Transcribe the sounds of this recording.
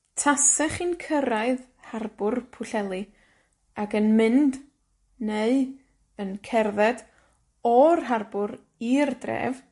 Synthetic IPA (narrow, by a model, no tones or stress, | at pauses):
tʰasɛχinkʰəɾaɨð | harbʊrpʰʊɬɛlˠi | akənmɨnd | neɨ | ənkʰɛrðɛd | ɔrɦarbʊɾ | irdrɛ̰ːv